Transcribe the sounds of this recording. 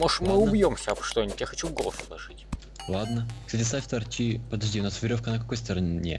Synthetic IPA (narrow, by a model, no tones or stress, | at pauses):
moʂmɨʊbjomsʲəɐpʂt̪onʲtʲjaxɐt͡ɕuɡolˠslˠɐ̰ʐɨtʲ | lˠad̪nəksatʲɪsafʲt̪ɐrt͡ɕipəd̪ɐʐd̪ʲiʊnasvʲɪɾʲo̞fkənəkɐko̞jst̪əɾɐnʲnʲḛ